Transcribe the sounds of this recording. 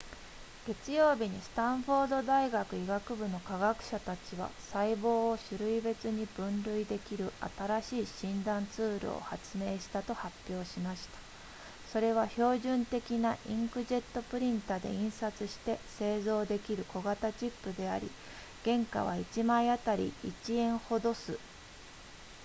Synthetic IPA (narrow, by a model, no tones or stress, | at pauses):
ɡ̥e̞t͡sɨjo̞ːbʲiɲ̟isɨ̥t̪ãɰ̃ɸo̞ːd̪o̞d̪aiɡakɯ̟iɡakɯ̟bɯ̟no̞kaɡakɯ̟̥ɕat̪at͡ɕiβ̞a̰saibo̞ːɕɨɾɯ̟ibe̞t͡sɨɲ̟ib̥ɯ̟̃nɾɯ̟id̪e̞kʲiɾɯ̟a̰t̪aɾaɕiːɕĩnd̪ãnt͡sɨːɾɯ̟̰o̰hat͡sɨme̞ːɕi̥t̪at̪o̞hapʲːjo̞ːɕimaɕi̥t̪ḁ | so̞ɾe̞β̞aço̞ːʑɨ̃nt̪e̞kʲinaʔĩŋkɯ̟ʑe̞t̪ːo̞pɯ̟ɾʲĩnt̪ad̪e̞̰ĩɰ̃sat͡sɨɕi̥t̪e̞se̞ːzo̞ːd̪e̞kʲiɾɯ̟ko̞ɡat̪at͡ɕipːɯ̟d̪e̞a̰ɾʲḭ | ɡ̥ẽ̞ŋka̰β̞a̰it͡ɕimaiat̪aɾʲḭːt͡ɕiẽ̞ɰ̃ho̞d̪o̞sɨ